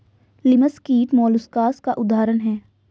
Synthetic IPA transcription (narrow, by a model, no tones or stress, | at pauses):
lɪməskiːʈmɔːlʊskaːskaʔʊd̪aːɾənɦɛː